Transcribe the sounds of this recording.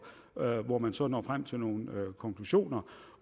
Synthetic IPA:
ʋɒmænsɒ̽nɒ̰ːfʁam̰t͡sʰe̝lno̝ːn̩økʰɒ̽ŋkʰluɕo̝̰ːnɐ

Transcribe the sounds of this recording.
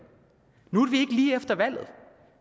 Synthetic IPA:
nu̥ʋie̝ɡ̥əliːefd̥ɐʋæl̰ð̞̩ˠ

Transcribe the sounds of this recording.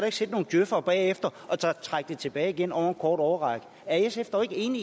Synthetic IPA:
ɐɾueɡ̥se̝ːd̥̚no̝ːn̩d̥jøfɐb̥ɛ̰ːefd̥ɐʔɒ̽t͡sʰɒt͡sʰʁɑaɡ̥̚d̥et͡sʰe̝b̥ɛ̰ːɪiɡ̥enɒʊ̰ɐenkʰɒːd̥ɒʊɐʁɑ̈ɡ̥ | æɐesefd̥ɐɒe̝ɡ̥əe̝̰ːni

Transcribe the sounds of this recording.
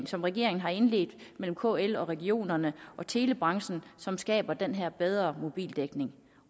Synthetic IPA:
ŋsɒ̽mʁɛɡ̥e̝ɐ̰e̝ŋn̩ɦɑ̈e̝nle̝̰ːd̥mel̰m̩kʰo̰ːelɒ̽ʁɛɡio̝̰ːnɐnəʔɒ̽t͡sʰe̝ːləb̥ʁɑ̈ŋɕn̩sɒ̽msɡ̥ɛ̰ːb̥ɐd̥enɦeɐ̰b̥eð̞ˠʁɐmo̝b̥ḭːld̥eɡ̥ne̝ŋ

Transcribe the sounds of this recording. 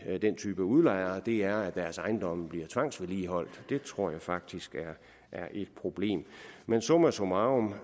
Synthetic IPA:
d̥ent͡sʰy̰ːb̥əuð̞ˠlɑ̈ɪ̰ɐd̥e̝æɐæd̥æɐsɑ̈ɪnd̥ɒ̽m̰b̥liɐt͡sʰʋɑ̈ŋ̰sʋeliːɦɒ̽l̰d̥d̥e̝t͡sʰʁo̝ɐ̰jɑ̈ɪfɑ̈ɡ̥̚d̥isɡ̥æɐ | ʔæɐʔe̝d̥̚pʰʁo̝b̥le̝̰ːmmensɔmæsomɑɔm

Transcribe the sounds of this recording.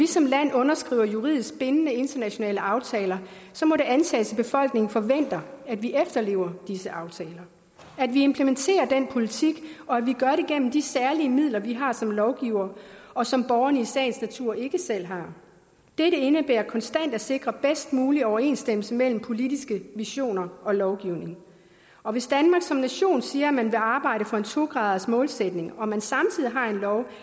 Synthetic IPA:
ʋisɒ̽mlæn̰ɔ̽nɐsɡ̥ʁḭːʊ̰ɐjuʁḭð̰ˠisɡ̥̚b̥e̝nənəe̝nd̥ɐnæɕo̝nɛ̰ːləɑ̈ʊt͡sʰɛːlɐ | sɒ̽mɒ̽ɾe̝ʔænt͡sʰɛ̰ːsʰib̥e̝fɒ̽l̰ɡ̥ne̝ŋŋ̩fɒ̽ʋen̰d̥ɐæd̥ʋiʔefd̥ɐle̝̰ːʊɐd̥isəʔɑ̈ʊt͡sʰɛːlɐ | ædʋie̝mpʰləment͡sʰe̝̰ːɐd̥en̰pʰo̝lit͡sʰiɡ̥ɒ̽æʋiɡ̥ɶɐɾeɡ̥en̰m̩d̥isæɐliəmið̰ˠlɐʋiɦɑ̈sɒ̽mlɒʊɡ̥iʊɐɒ̽sɒ̽mb̥ɒʊɐnəisɛɪnsnæt͡sʰuɐ̰e̝ɡ̥əsel̰ɦɑ̈ | d̥eɾəe̝nəb̥ḛːɐkʰɒ̽nsd̥æn̰d̥æse̝ɡ̥ʁɐb̥esd̥muːliɒʊɐe̝̰ːnsd̥em̰l̩səmel̰m̩pʰo̝lid̥isɡ̥əʋiɕo̝̰ːnɐɒ̽lɒʊɡ̥iʊne̝ŋ | ɒ̽ʋe̝sd̥ænmɑ̈ːɡ̥sɒ̽mnæɕo̝̰ːnsiːɐæmænʋe̝ɑ̈ːb̥ɑ̈ɪ̰ɾəfɒ̽e̝nt͡sʰo̝ɡ̥ʁɑ̈ːð̞ˠɐsmɔ̽ːlsed̥ne̝ŋɒ̽mænsɑ̈mt͡sʰiðˠiɦɑ̈e̝nlɒʊ

